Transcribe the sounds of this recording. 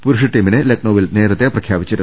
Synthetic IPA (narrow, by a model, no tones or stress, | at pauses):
puɾuʂɐʈːiːminɨlek̚noːʋilneːɾɐt̪ːjeprɐkʰjaːbit͡ɕːɐɾu